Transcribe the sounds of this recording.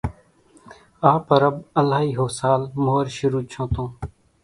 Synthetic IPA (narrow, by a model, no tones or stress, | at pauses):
aːpəɾəbəlaːɦiːɦoːsaːlmoːɾʃʊɾuːt͡ʃʰõːt̪õː